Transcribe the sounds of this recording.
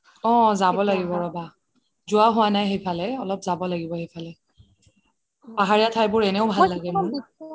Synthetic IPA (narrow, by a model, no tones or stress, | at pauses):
ɔ̃zabɔlaɡibɔɹɔba | zʊwaɦʊwanajɦejpʰalɛɔlɔp̚zabɔlaɡibɔhejpʰalɛ | paɦaɹijatʰajbʊɹɛnɛʊbʱalːaɡɛmʊɹ